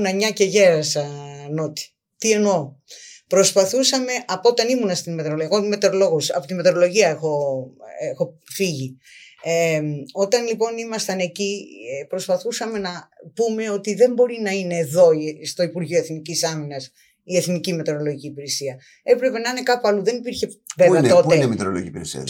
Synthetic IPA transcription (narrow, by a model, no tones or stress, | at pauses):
nɐɲɐce̞ʝe̞ɾɐsɐnot̪i̥ | t̪ie̞no̞ | pɾo̞spɐθusɐme̞ʔɐpoo̞t̪ɐnimunɐst̪inme̞t̪eɾoleɣome̞t̪eɾolo̞ɣusɐpot̪imeɾo̞lo̞ʝiɐexo̞exo̞fiʝieo̞t̪ɐnlipo̞nimɐst̪ɐne̞cipɾo̞spɐθusɐme̞nɐpume̞o̞t̪iðe̞mbo̞ɾinɐine̞ːðo̞ist̪o̞ipuɾʝioeθnicisɐminɐs | ie̞θnicime̞t̪eɾo̞lo̞ʝiciːpiɾesiɐ | e̞pɾe̞pe̞nɐine̞kɐpuɐluðe̞nipiɾçe̞veɐt̪o̞t̪emit̪ɾolo̰ḭpḭɾḛsḭɐ̰